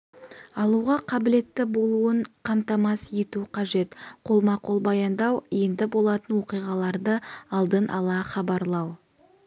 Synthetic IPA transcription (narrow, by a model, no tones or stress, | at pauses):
ɑlˠuʁɑqʰɑbɪle̞t̪ːɪbo̞lˠuəɴqʰɑmt̪ɑmɑsje̞t̪uqʰɑʒe̞t̪qʰo̞lˠmɑqʰo̞lˠbɑjɑnd̪ɑwje̞nd̪ɪbo̞lˠɑt̪ənwo̞qijʁɑlˠɑɾd̪əɑlˠd̪ənʔɑlˠɑχɑbɑɾlˠɑw